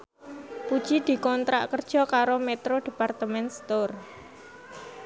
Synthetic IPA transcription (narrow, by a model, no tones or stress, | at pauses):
pud̥ʒ̥id̪̥i̤kɔnt̪ɾa̰ʔkərd̥ʒ̥ɔ̤kaɾomɛt̪ɾod̥i̤part̪əmɛnst̪or